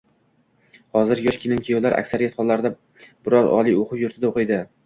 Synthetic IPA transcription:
hɒzɪɾjɒʃkʲʰɪnɪŋkʰʲɪjɒwlaɾʔa̰kʲsaɾijat̪χɒlˠːaɾd̪a | bɪɾɒɾɒ̰lˠijoqʰʊʃjʊɾt̪ʰɪd̪aoqɨjd̪ɪ

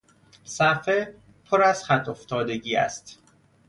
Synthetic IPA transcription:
sæfe | pʰoɾæz̥χæt̪ʰoft̪ʰɒːd̪e̞ɟiːæ̰st̪

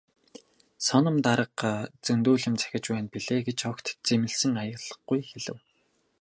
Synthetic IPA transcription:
sɔnɞ̆mt̪aɾə̆qːt͡sɵnt̪uːɮɪ̆mt͡sʰæ̥xʲɪ̆t͡ɕpæːnpiɮeːɡet͡ɕɔkt̪ʰt͡semɘ̆ɬsɘ̆ŋajə̆ʁɮə̆χujxeɮɘ̆w

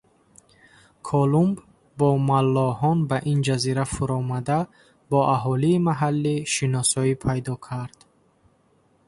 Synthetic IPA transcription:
kʰɔlumb | bɔmalːɔhɔnbaʔind͡ʒaziɾafuɾɔmad̪a | bɔʔaɦɔliːmaɦalːiʃinɔsɔipʰajd̪ɔkʰaɾd̪̥

